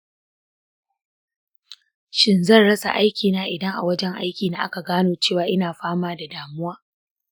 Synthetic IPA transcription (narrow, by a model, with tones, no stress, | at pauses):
ʃɪ˨nzɐ˦˨rɽɐ˦sa̰˨ʔa˦jkʲiː˨naː˦ʔɪ˨dɐ˦ŋʔa̰˨wɐ˦d͡ʒɛ˦ŋʔa̰˦jkʲiː˨naː˦ʔa̰˦ka˨ɡaː˦noː˨t͡ʃeː˦˨waː˨ʔɪ˦naː˨ɸaː˦maː˦da˨daː˨mʊ˦waː˦